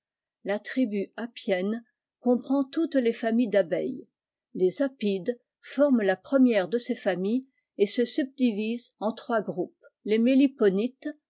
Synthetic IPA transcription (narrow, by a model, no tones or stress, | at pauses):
lat̪χibyapjɛn | kɔ̃pχɑ̃t̪ut̪lefamijd̪abɛj | lezapid̪ | fɔʁmlapχəmjɛʁd̪əsefamij | esəsyb̚d̪ivizɑ̃t̪χwaɡʁup | lemelipɔnit̪